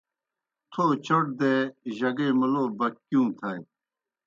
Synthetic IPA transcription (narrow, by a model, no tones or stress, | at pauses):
t̪ʰoːt͡ɕɐʈ̚d̪eʑɐɡeːmɐloːbɐkkːjũːt̪ʰɐj